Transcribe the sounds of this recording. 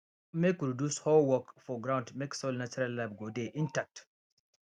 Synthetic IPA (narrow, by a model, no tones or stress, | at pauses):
mɛkɾɔdushɔlwɔkfɔɡɾawntmɛksɔlnat͡ʃuɾalːabɡodɛʔintak̚t